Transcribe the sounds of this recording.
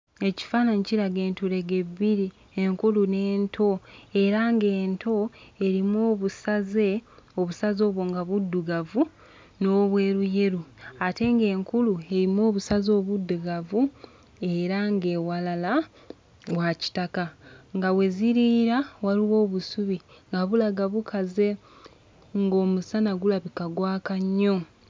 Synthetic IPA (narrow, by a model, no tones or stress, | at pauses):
e̞ci̥faːnaɲiciɾaɡe̞ːntuɾe̞ɡe̞βiɾi | eŋkulune̞ːntʰo̞e̞ɾaŋɡe̞ːntʰo̞e̞ɾimoːβusaze̞o̞βusazo̞ːβwo̞ŋɡaβudːuɡavu | no̞βwe̞ːɾuje̞ɾuate̞ŋɡe̞ːŋkulue̞ɾimo̞ːβusazo̞ːβudːuɡavu | e̞ɾaŋɡe̞ːwalala | waci̥takaŋɡawe̞ziɾiːɾawaliwo̞ːβusuβiŋɡaβulaɡaβukʰaze̞ | ŋɡo̞ːmusanaɡulaβikaɡwaːkaɲːo̞